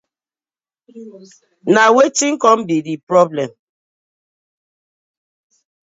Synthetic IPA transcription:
nawetiŋkɔmbidipɾɔblɛ̃m

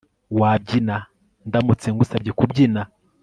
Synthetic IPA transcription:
wab̚ɟina | ndamut͡seŋɡusabɟekubɟina

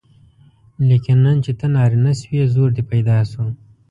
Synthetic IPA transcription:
likɪnːant͡ʃet̪ənɑːɾinaswezoɾd̪ipajd̪ɑːsu

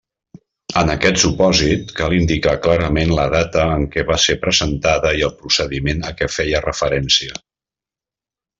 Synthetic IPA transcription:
ənəkɛt̪supɔzit̪̚kalˠind̪ikaklaɾəmenləðat̪əːŋkɛβasepɾəzənt̪aðəiəlˠpɾusəðimenəkɛfɛjərəfəɾɛnsiə

